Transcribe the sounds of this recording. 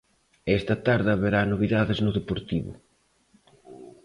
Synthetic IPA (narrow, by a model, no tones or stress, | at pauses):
ɛst̪ɐt̪aɾðɐβeɾanoβ̞iðaðeznʊðepoɾt̪iβʊ̰